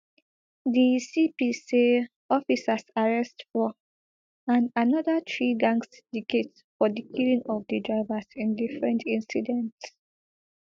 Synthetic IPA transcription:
disipise | ɔfisasaɹɛstfɔ | ãnanɔdatʰɹiɡãŋsdikʰet | fɔdikʰilĩŋɔfdidɹaɪvasĩndifɹɛ̃ntʰĩnsidɛ̃nts

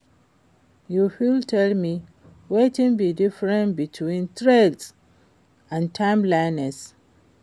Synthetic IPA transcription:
juhiltʰɛlmi | wetĩnbidifɹɛ̃ntbitʰwĩntʰɹɛds | ãntʰãɪ̃mlaɪnɛs

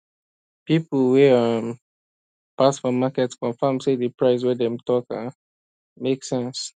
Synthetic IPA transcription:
pipl̩wɛam | pasfɔmakɛtskɔ̃ɱfãmsedəpʰɹaɪs̬wɛdɛmtʰɔka | meksɛ̃ns

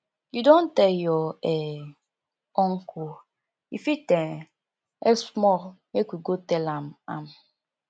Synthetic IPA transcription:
judõntejɔɛ | ɔŋ̩ku | ifitɛ̃ | ɛ̰smɔɾmekʷiɡotelama̰m

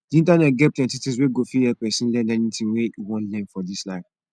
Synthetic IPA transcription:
dĩntanɛt̚ɡɛp̚tɛ̃titisweɡofiɛpɛsĩnlɛ̃nɛnitĩnweiwɔ̃nlɛ̃nfɔdislaɪf

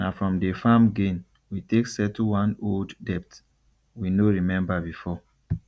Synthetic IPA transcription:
nafɹɔ̃mdəfamɡẽn | witeksɛtuwãnolddɛp̚t | winoɹimɛ̃mbabifɔ

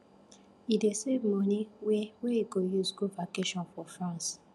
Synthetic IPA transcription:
idesevmɔ̃niweweiɡojusɡuvakeʃɔ̃nfɔfɹãns

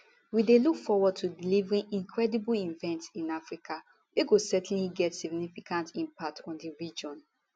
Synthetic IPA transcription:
widelukfɔwɔd̚tʰudilivɹĩnĩŋkʰɹɛdibulĩnvɛ̃ntĩnafɹikʰa | wiɡosɛtn̩liɡɛtsiɡnifikãntĩmpak̚tʰɔ̃ndiɹid͡ʒɔ̃n

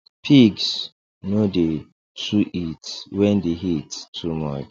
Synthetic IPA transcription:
pʰiɡs | node | tʰuʔitwɛ̃ndeɦittʰːumɔt͡ʃ

